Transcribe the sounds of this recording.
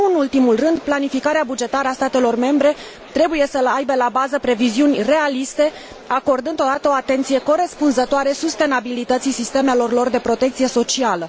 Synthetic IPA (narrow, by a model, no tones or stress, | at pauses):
ɨnult̪imulrɨnd̪planifikaɾeabud͡ʒe̞t̪aɾəast̪at̪e̞lo̞rme̞mbɾe̞ | t̪ɾe̞buje̞səlajbelabazəpɾe̞viziunʲre̞alist̪e̞ | ako̞rd̪ɨnd̪o̞d̪at̪əo̞at̪e̞nt̪sije̞ko̞ɾe̞spunzət̪oaɾe̞sust̪e̞nabilit̪ət̪sisist̪e̞me̞lo̞rlo̞rd̪e̞pɾo̞t̪e̞k̚t̪sije̞so̞t͡ʃialə